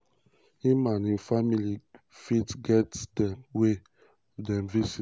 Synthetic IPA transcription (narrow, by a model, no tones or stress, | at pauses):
imanĩfamili | fitɡɛtdɛwe | dɛmvisi